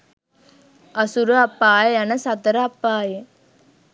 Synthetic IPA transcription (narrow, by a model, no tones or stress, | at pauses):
ɐsuɾuɐpːaːjɐɐnɐsɐt̪ɐɾɐɐpːaːje